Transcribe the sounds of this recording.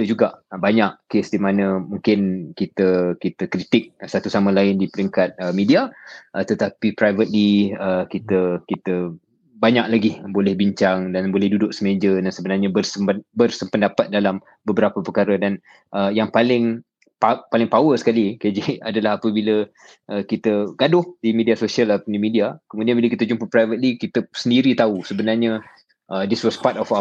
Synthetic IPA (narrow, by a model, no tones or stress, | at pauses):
d͡ʒuɡaʔbaɲaʔkesdimanə̃muŋkɪnkit̪əkit̪əkɾit̪ɪk̚sat̪usamãlaɪndipəɾiŋkat̪̚əmidiaʔət̪ət̪apipɾajvət̪̚liəkit̪əkit̪ə | baɲak̚laɡihbolɛhbiɲt͡ʃaŋdanbolɛhdudʊʔ̚səmed͡ʒədansəbənarɲabərsəməbərsəmpəndapat̪̚dalam | bəbəɾapəpəkaɾədan | ʔəjaŋpalɪŋ | papalɪŋpawəsə̥kaliked͡ʒiadalaɦapəbilə | ʔəkit̪əɡadʊhdimidiasosialapdimidiakəmudianbiləkit̪əd͡ʒumpəpɾajvət̪̚likit̪əsəndiɾit̪ausəbənarɲa | ʔədiswɔspatɔfa